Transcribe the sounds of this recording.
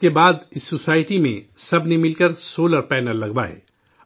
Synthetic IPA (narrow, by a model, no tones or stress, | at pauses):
kebaːd̪ɪsːosaːɪʈimḛ̃sɐbnemɪlkəɾsoːləɾpɛːnəɾlɐɡbaɦɛ̰ː